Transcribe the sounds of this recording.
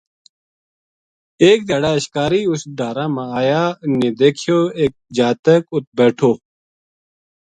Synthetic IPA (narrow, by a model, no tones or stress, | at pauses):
eːk̚d̪ɐɖaːɐɕkaːɾiːusɖ̪aːɾãːmãaːjaːneːd̪eːkʰjoːeːk̚d͡ʑaːt̪əkʊt̪̚beːʈʰoː